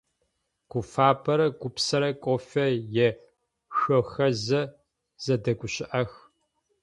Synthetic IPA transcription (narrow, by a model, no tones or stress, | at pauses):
ɡ̥ʷʊfaːpʰɐɾɐɡʷʊpsɐɾɐkʷʼofɐjɛ | ɕɔxɐzɐ | z̥ɐdɐɡʷʊɕɪʔɐx